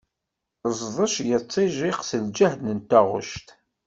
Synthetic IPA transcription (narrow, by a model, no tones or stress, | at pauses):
zˤðˤəʃjət͡sˤːiʒiqsəld͡ʒæhd̪nənt̪æʁʊ̰ʃt̪